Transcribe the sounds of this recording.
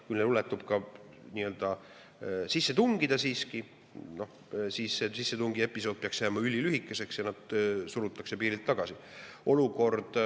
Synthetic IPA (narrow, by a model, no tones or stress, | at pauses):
kujlnelulet̪ːˑub̥̚kɑ | niːøld̪̥ɑ | sisːe̞t̪uŋɡid̪ɑsiːski | no̞h | siːsːesisːe̞t̪uŋɡ̥ie̞pːˑiso̞ːd̪̥̚peɑksjæmɑylʲːilyɦikːˑe̞se̞ksjɑnɑd̪̥suɾut̪ːˑɑkse̞piːɾilt̪ːɑɡ̥ɑsi | ʔo̞luko̞rd̪̥